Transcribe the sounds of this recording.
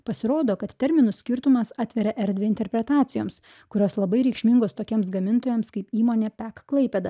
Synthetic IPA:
pɐsʲɪɾoːd̪oːkɐt̪t̪ʲɛɾʲmʲɪnʊsʲkʲɪɾt̪ʊmɐsɑːt̪ʲʋʲɛɾʲɛʔɛɾʲd̪ʲʋʲɪɪnʲt̪ʲɛɾʲpʲɾʲɛt̪ɑːt̪ʲɪjoːms | kʊɾʲoːslˠɐbɐɪɾʲɛɪkʃʲmʲɪŋɡoːst̪oːkʲiɛmsɡɐmʲɪnt̪oːjɛmskɐɪpiːmoːnʲeːpʲæːkklˠɐɪpʲɛd̪ɐ

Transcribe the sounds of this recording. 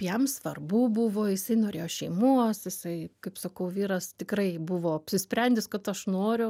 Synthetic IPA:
jɛmsʋɐrbuːbuʋoːjɪsɐɪnoːɾʲeːjoːʃʲɛɪmuɔsjɪsɐɪkɐɪpsɐkɐʊʋʲiːɾɐst̪ʲɪkrɐɪbʊʋoːɐpʲsʲɪsʲpʲɾʲɛnʲd̪ʲɪskɐt̪ɐʃnoːɾʲʊ

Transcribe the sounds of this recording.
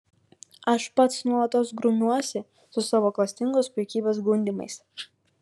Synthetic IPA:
ɐʃpɐt̪snuɔlˠɐt̪oːsɡɾʊnʲuɔsʲɪ | sʊsɑːʋoːklˠɐsʲt̪ʲɪŋɡoːspʲɾʲɛkʲiːbʲeːs̬ɡʊnʲd̪ʲɪmɐ̰ɪs

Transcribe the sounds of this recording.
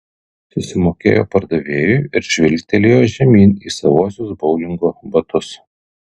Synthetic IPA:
sʊsʲɪmoːkʲḛːjo̰ːpɐɾd̪ɐʋʲeːjuˑːɪɾʒʲʋʲɪlʲt̪ʲɛlʲeːjoːʒʲɛmʲiːniːsɐʋuɔsʲʊsbɒʊlʲɪŋɡoːbɐt̪ʊs

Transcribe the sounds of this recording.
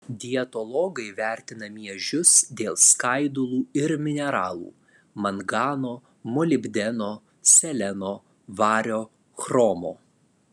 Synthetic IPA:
d̪ʲɪɛt̪ɔlˠɔːɡɐɪʋʲæˑɾʲt̪ʲɪnɐmʲiɛʒʲʊsd̪ʲeːlˠskɐɪd̪ʊlˠuːɪɾmʲɪnʲɛɾɑːlˠṵː | mɐnɡɑːnoː | mɔlʲɪbʲd̪ʲɛnoː | sʲɛlʲɛnoː | ʋɑːɾʲoː | xɾɔːmo̰ː

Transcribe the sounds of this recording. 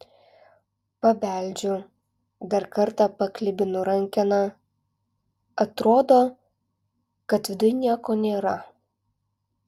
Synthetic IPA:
pɐbʲæˑlʲd͡ʒʲʊ | d̪ɐɾkɐɾˑt̪ɑpɐklʲɪbʲɪnʊɾɐŋʲkʲɛnɐ | ɐt̪ɾoːd̪oː | kɐt̪ʋʲɪd̪ʊjnʲiɛkoːnʲeːɾɐ

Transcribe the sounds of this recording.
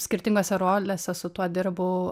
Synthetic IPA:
sʲkʲɪɾʲt̪ʲɪŋɡoːsʲɛɾoːlʲeːsʲɛsʊt̪uɔd̪ʲɪɾbʊ

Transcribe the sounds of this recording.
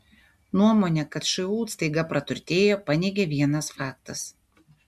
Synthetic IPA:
nuɔmoːnʲɛkɐt̪ʃɐuːt̪st̪ɐɪɡɐpɾɐt̪ʊɾʲt̪ʲeːjoːpɐnʲeːɡʲeʋʲiɛnɐsfɑːkt̪ɐs

